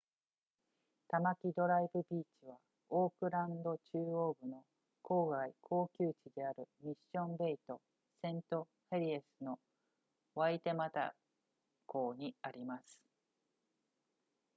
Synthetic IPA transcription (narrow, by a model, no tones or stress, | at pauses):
t̪amakʲid̪o̞ɾaibɯ̟bʲiːt͡ɕiβa | oːkɯ̟ɾãnd̪o̞t͡ɕɨːo̞ːbɯ̟no̞ | kʰo̞ːɡaikʰo̞ːkʲɨːt͡ɕid̪e̞aɾɯ̟mʲiɕːõ̞mbe̞it̪o̞ | sẽ̞nt̪o̞ | heɾʲiesɨno̞ | βait̪e̞mat̪a̰ | ko̞ːɲ̟iaɾʲimasɨ̥